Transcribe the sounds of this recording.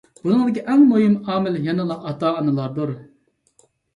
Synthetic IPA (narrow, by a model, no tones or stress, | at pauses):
bunɨŋd̪ɪkʲiʔɛŋmojimɑːmɪljɛnɨlˠɑʔɑt̪ɑːɑnɨlˠɑɾd̪uɾ